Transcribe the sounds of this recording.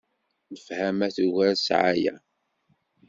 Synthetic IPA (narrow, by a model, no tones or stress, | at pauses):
nəfhæmæθuʝæɾsʕa̰jæ̰